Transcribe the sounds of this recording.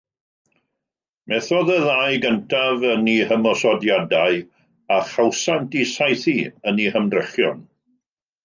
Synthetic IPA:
mɛθɔðəðajɡəntʰavənihəmɔsɔdjadaɨ | aχawsantisajθiənihəmdrəχjɔ̰n

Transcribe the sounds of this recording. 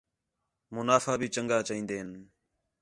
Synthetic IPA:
mʊnaːfaːbʱiːt͡ʃəŋɡaːt͡ʃːĩːnd̪eːɦən

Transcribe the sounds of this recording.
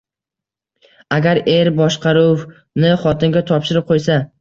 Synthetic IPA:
aɡʲaɾe̞ɾbɒʃqʰɑɾuw | nɪχɒt̪ʰɪnɡʲat̪ʰɒpʃɪɾɪp̚qʰojsa

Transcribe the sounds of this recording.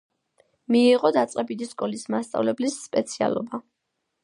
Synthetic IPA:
miːʁɔd̪at̪sʼqʼɛbid̪iskʼɔlismast̪sʼa̰vlɛblisːpʼɛt̪sʰia̰lˠɔba

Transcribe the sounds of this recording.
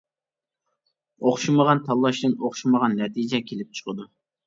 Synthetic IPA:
oχʃuməʁɑnt̪ʰɑlˠːɑʃd̪ɨnoχʃuməʁɑnːɛt̪ʰid͡ʒɛkʲʰelɪp̚t͡ʃʰə̥qʰəd̪u

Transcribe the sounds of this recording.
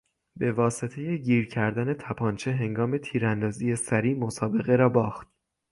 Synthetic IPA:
be̞vɒːse̞t̪ʰe̞je̞ɟiːɾcʰæɾd̪æne̞t̪ʰæpʰɒːnt͡ʃʰe̞ɦe̞ŋɡɒːme̞t̪ʰiːɾænd̪ɒːzije̞sæɾiːmosɒːbe̞ɣe̞ɾɒːbɒːxt̪̚

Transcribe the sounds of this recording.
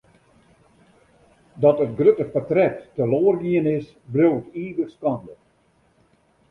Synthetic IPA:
dɔtətɡrøtəχpatrɛtːəloərɡiənɪs | brøwtiːɡəkskɑndə

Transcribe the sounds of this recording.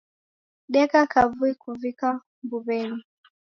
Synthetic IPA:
ɗɛkakʰavuikuvika | mbuβɛni

